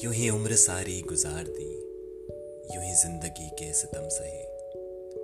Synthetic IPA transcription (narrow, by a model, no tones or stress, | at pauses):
jʊɦiʊmɾsaːɾiːɡʊzaːɾd̪iː | jʊɦizɪ̃nd̪əɡiːkeːsɪt̪ɐmsɐɦeː